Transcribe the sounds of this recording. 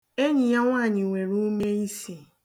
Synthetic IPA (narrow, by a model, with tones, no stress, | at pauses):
e˦ɲɪ˨ja˦ŋʷaː˦˨ɲɪ˨ŋʷe˨ɾu˦me˦i˦si˨